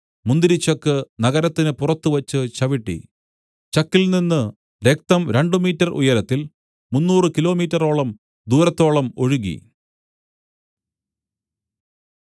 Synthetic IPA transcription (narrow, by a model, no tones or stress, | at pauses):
mund̪iɾit͡ɕːɐkːɨnɐɣɐɾɐt̪ːinɨpurɐt̪ːuʋɐt͡ɕːɨt͡ɕɐʋiʈːḭ | t͡ɕɐkːilninːɨ | ɾe̞k̚t̪ɐmɾe̞ɳɖɨmiːtːɐrṵjɐɾɐt̪ːil | munːuːrɨkilo̞ːmiːtːɐro̞ːɭɐm | d̪uːɾɐt̪ːo̞ːɭɐmo̞ɻuɣḭ